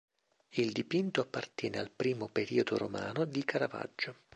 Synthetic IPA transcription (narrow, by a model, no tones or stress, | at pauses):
ild̪ipint̪oapːart̪jɛːnealpɾiːmopeɾiːod̪o̰ɾo̰ma̰ːnod̪ikʰaɾava̰d͡ʒːʊ